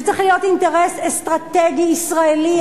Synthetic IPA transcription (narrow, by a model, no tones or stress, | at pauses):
t͡seχlijot̪int̪eʁɛsest̪ʁat̪eɡiːsʁaeli